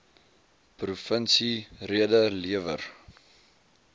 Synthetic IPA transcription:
prufənsiriədəliəvə̰r

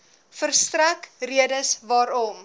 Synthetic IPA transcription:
fərstrækriədəsvɑːɾɔm

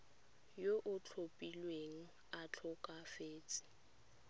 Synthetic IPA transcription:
joʔʊt͡ɬʰopʼilweŋ̩ | at͡ɬʰʊkʼafeːt͡sʼɪ̥

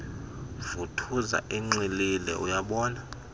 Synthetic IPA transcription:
vutʰuza̰ʔiŋ͡ǀililɛ̰ʔujaɓɔːna

